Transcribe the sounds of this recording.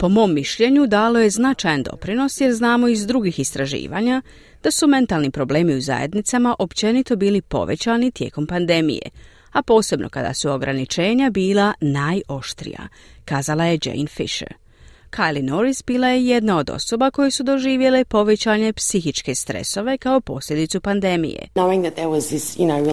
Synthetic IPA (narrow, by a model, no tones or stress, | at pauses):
po̞mo̞ːmːiʃʎe̞ɲud̪aːlo̞je̞znat͡ʃajand̪o̞pɾino̞sjeɾznaːmo̞izd̪ɾuɡixist̪ɾaʒḭːʋa̰ːɲa | d̪̥asume̞nt̪alˠnipɾo̞ble̞ːmiuza̰je̞̰d̪nit̪samaʔo̞pt͡ɕe̞nit̪o̞biːlipo̞̰ʋe̞̰t͡ɕaːnit̪je̞ːko̞mpand̪e̞mḭjḛ | apo̞ːse̞bnʔo̞̰kad̪a̰suo̞ɡɾanit͡ʃe̞ːɲabiːlˠanaːjo̞ʃt̪ɾḭja̰ | kaːzalaje̞d͡ʒḛjnfḭʃḛɾ | kʰajlinoɾisbiːlˠaje̞je̞d̪nao̞d̪o̞̰so̞bako̞jesud̪o̞ʒiːʋje̞lepo̞ʋe̞t͡ɕaːɲe̞psixit͡ʃke̞st̪ɾe̞̰so̞ʋe̞kao̞po̞̰sʎʲe̞d̪it̪supand̪e̞mḭjḛnoʊɪ̃ŋðɨt̪̚ðə˞wʌzðɪsjɨnoʊi